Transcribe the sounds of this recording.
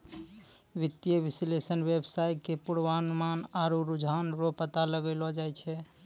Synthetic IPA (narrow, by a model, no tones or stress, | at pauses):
ʋit̪jəbislesənʋebsajkepuɽʋanumanaɾuɾud͡ʒʱanɾopət̪aləɡəɪlɔd͡ʒajt͡ʃʰɛ